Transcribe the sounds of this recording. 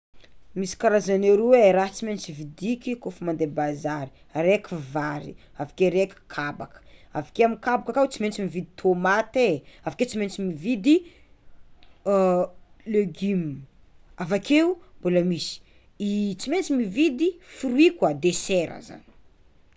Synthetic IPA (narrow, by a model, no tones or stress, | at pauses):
misi̥kaɾazaneɾuweɾaɦt͡siment͡sivid̪ikʲikofumand̪ebazaɾi̥ | aɾekivaɾḭ | avakeɾekʲi̥kʰabakə̥avakeamikabakakat͡siment͡simivid̪it̪ʰomat̪eavaket͡siment͡simivid̪i | leɡim | avakʰeumbuləmisi̥ | it͡siment͡simivid̪ifuɾuikwad̪eseɾə̰za̰nii̥